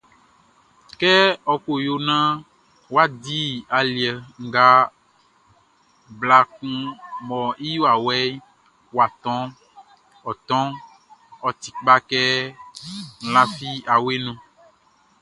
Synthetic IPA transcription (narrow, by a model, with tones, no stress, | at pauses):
kɛ˦ɔ˦ko˨jo˦nã˦ | wo˦a˦d̪i˦a˨li˨ɛ˨ŋ̩˦˨ɡa˦ | bla˨k̚ũ˦mɔ̃˨i˦jo˦a˨wɛ˦ | wo˨a˨t̪ɔ̃˦ | ɔ˨t̪ɔ̃˦ | ɔ˨t̪i̥˨k͡pa˦kɛ˦ | ŋ̩˦˨la˦fi˦a˨we˦nũ˦